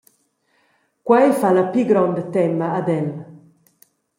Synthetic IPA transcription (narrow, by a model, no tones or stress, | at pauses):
kwajfalapiɡɾɔnd̪ət̪ɛmaːd̪ɛl